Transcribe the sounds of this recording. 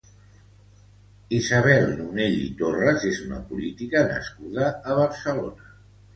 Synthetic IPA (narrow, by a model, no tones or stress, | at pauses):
izaβ̞ɛlˠnuneʎḭt̪orəzezunə̰pulit̪ikənə̰skuðəːβ̞əɾsəlo̰nə